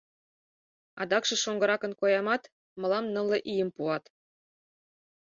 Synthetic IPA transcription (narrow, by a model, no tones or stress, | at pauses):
ɑ̰d̪ɑkʃɤ̆ʃoŋɡɤ̆ɾɑkɤ̆nkojɑmɑt̪ | mɤ̆lɑmnɤ̆lĕʔijə̆mpuɑt̪